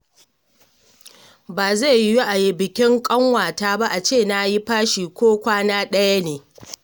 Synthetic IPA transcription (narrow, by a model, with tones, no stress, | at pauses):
baː˨za˦˨˦ju˦ʔa˨jɪ˨bɪ˨kʲɪ˦ŋkʼɐ˦ŋwaː˨taː˦ba˦ʔa˨t͡ʃeː˦˨na˦ji˦ɸaː˦ʃiː˨kʷoː˦kʷaː˦naː˦ɗɐ˦ja˦neː˨